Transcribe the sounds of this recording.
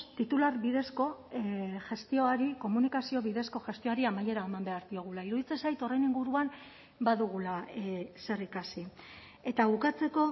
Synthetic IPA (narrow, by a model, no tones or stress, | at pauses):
t̪it̪ularβiðe̞sko̞ | ʝe̞st̪io̞aɾiko̞munikasio̞βiðe̞sko̞ʝe̞st̪io̞aɾiamaje̞ɾaemambe̞aɾðio̞ɣ̞ulaiɾuðit͡se̞nsajt̪o̞re̞jniŋɡuɾuam | baðuɣ̞ulase̞rikasi | e̞t̪aβukat͡se̞ko̞